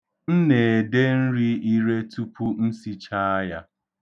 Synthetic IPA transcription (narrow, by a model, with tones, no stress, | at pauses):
n̩˦ne˨de˦n̩˦ɾi˦i˦ɾe˦tu˦pu˦n̩˦si˦t͡ʃa˦a˦ja˦